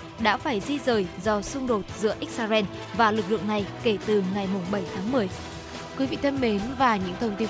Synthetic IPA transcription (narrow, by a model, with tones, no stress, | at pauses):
ɗa̰ː˧˥faː˧˩jzi˧zəː˨˩jzɔ˧sʊ˧ŋ͡mɗo˨˩t̚zɨ̰˧˥əʔi˦˥k̟̚saː˧zɛ˧n | vaː˨˩lɨ˨˩k̚lɨ̰˧˨əŋna˨˩jke˧˩t̪ɨ˨˩ŋa˨˩jmʊ˨˩ŋ͡mɓə˧˩jt̪ʰaː˨˦ŋmɨ˨˩əj | kwi˨˦vḭ˧˨t̪ʰə˧nme˨˦nvaː˨˩ɲɨ̰˧˥ŋt̪ʰə˧wŋ͡mt̪i˧